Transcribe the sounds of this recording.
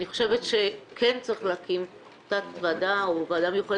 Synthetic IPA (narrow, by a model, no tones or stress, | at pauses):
niχo̞̥ʃevetʃe̞kʰent͡sʁiχleːkim | t̪atvadaoveadamjuχo